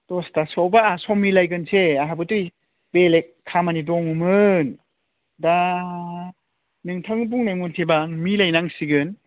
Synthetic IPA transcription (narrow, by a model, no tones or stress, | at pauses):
d̥ɔstasɔwbaːsɔmilajɡɯnseaɦabɯtɯj | belek̚ʰːamanidɔŋumɯn | da | nɯŋtʰaŋb̬uŋnajmuntʰebaŋmilajnaŋsiɡɯn